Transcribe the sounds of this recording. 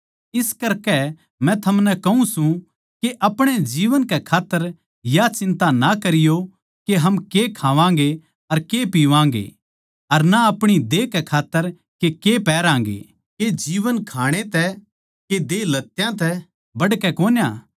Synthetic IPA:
ɪskɐɾkɛ | mɛ̃t̪ʰɐmnɛ̃kɐũsũ | keʔɐpɽ̃ed͡ʒiːʋənkɛkʰaːt̪ːəɾ | jat͡ʃɪ̃nt̪anakɐɾɪjo | keɦɐmkekʰaːʋãːŋ̆ɡe | ɐɾkepiːʋãːŋɡḛ | ɐɾnaɐpɽ̃id̪eːkɛkʰaːt̪ːəɾ | kekepɛːɾãːŋ̆ɡḛ | ked͡ʒiːʋənkʰaːɽ̃et̪ɛ | ked̪eːlɐt̪ːjãt̪ɛ | bɐɽkɛkoːnjaː

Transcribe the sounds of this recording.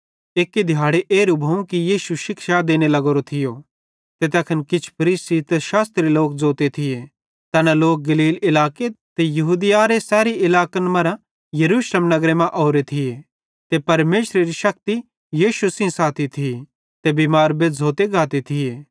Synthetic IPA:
eːkːed̪ʱjaːɽeʔeːɾubʱɐũkijiːsuʃɪkʃad̪eːñelɐɡoːɾot̪ʰɪjo | t̪et̪̬ɛːkʰənkɪt͡ʃʰpʰɐɾiːsit̪eʃaːst̪ɾeloːkd͡zoːt̪et̪ʰɪje | t̪ɛːnaloːk̚ɡɐliːlɪlaːket̪ejɐɦuːd̪ɪjaɾesɛːɾiɪlaːkənmɐɾa | jɐɾuːʃleːmnɐɡɾemɛ̃ʔoːɾet̪ʰɪje | t̪epɐɾmeːʃɾeɾiʃɐk̚t̪i | jiːʃusĩsaːt̪ʰit̪ʰii | t̪ebiːmaːɾbed͡zʱoːt̪eɡaːt̪it̪ʰɪeː

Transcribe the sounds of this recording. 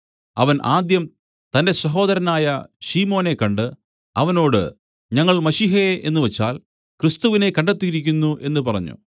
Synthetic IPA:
ɐʋɐnʔaːd̪jɐm | t̪ɐnde̞sɐɦo̞ːd̪ɐɾɐnaːjɐɕiːmo̞ːne̞kːɐɳɖɨ | ɐʋɐno̞ːɽɨ̰ | ɲɐŋːɐɭmɐɕiːɦeʔe̞̰nːuʋet͡ɕːaːl | krist̪uʋine̞kɐɳɖet̪ːiɾikʲːunːuʔe̞nːɨpɐrɐɲːṵ

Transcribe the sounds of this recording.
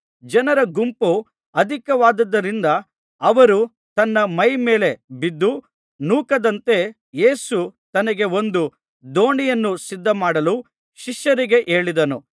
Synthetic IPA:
d͡ʒɐnɐɾɐɡumpu | ɐd̪ʱikɐʋaːd̪ɐd̪ːɐɾind̪ɐ | ɐʋɐɾu | t̪ɐnːɐmɐjme̞ːle̞bid̪ːu | nuːkɐd̪ɐnt̪e̞ | jeːsut̪ɐnɐɡe̞o̞nd̪u | d̪o̞ːɳijɐnːusid̪ʱːɐmaːɽɐluː | ʃiʃjɐɾiɡe̞ʔe̞ːɭid̪ɐnṵ

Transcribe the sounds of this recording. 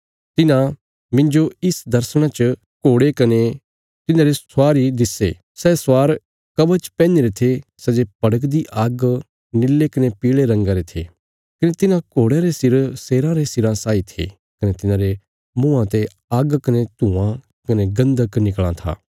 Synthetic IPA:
t̪ɪnã | mɪ̃nd͡ʒoɪsd̪ɐɾsɽ̃ãt͡ʃə | koːɽekɐne | t̪ɪnãːɾesʊaːɾid̪ɪsḛ | sɛswaːɾ | kɐbət͡ʃpɛ̃ːneɾet̪ʰesɛd͡ʒepɐɽək̬d̪iʔaːɡ | nɪlːekɐnepiːɭeɾɐ̃ŋɡaːɾet̪ʰḛ | kɐnet̪ɪnãkoːɽeɾesɪɾseːɾãɾesɪɾãsaːit̪ʰḛ | kɐnet̪ɪnãːɾe | mũːãt̪e | aːɡkɐnet̪ũã | kɐneɡɐ̃nd̪əknɪkɭã̰t̪ʰa̰ː

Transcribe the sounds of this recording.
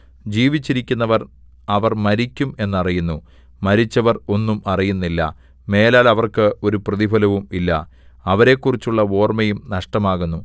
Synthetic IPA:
d͡ʑiːʋit͡ɕːiɾikʲːunːɐʋɐr | ɐʋɐrmɐɾikʲːume̞nːɨɐrijunːu | mɐɾit͡ɕːɐʋɐro̞nːumɐrijunːilːɐ̰ | me̞ːlaːlɐʋɐrkɨo̞ɾuprɐðibʱɐlɐʋumilːɐ̰ | ɐʋɐɾe̞kːurit͡ɕːuɭːɐo̞ːrmɐjumnɐʂʈɐmaːɣunːu

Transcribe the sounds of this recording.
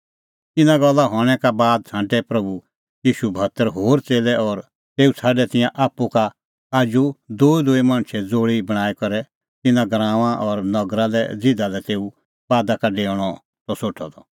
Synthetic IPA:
t̪ɪnãɡɔlːaɦɔːɽ̃ɛkabaːd̪̚t͡sʰãːʈɛpɾɐbu | jiːʃubʱɐt̪əɾɦoːɾt͡seːlɛɔɾ | t̪eːut͡sʰaːɖɛt̪ɪ̃jãʔaːpːuka | aːd͡ʒud̪oːid̪oːimãɽ̃t͡ʃʰɛd͡zoːɽibɐɽ̃aːikɔɾɛ | t̪ɪnãɡɾãːʋãʔɔɾnɐɡɾalɛ̰d͡zɪ̃d̪alɛt̪eːu | baːd̪akaɖeːɽ̃ɔ | t̪ɔsoːʈʰɔd̪ɔ

